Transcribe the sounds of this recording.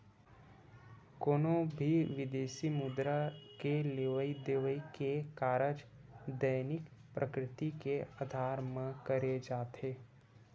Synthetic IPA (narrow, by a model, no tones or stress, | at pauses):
koːnobʱiʋɪd̪eːʃimʊd̪ɾakeleːʋəid̪eːʋəikekaːɾəd͡ʒd̪əjnɪkpɾʔəkɾɪt̪ikead̪ʱaːɾməkəɾed͡ʒaːt̪eː